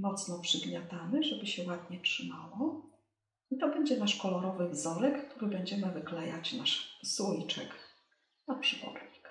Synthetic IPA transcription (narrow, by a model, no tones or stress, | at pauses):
mɔt̪snɔpʂɘɡɲʲjat̪anɘʐɛbɘɕɛwad̪ɲɛtʂɘmawɔ | it̪ɔbɛɲd͡ʑɛnaʂkɔlɔɾɔvɘvzɔɾɛkːt̪uɾɘbɛɲd͡ʑɛmɘvɘklɛjat͡ɕnaʂsujt͡ʂɛ̰k | napʂɘbɔ̰ɾɲik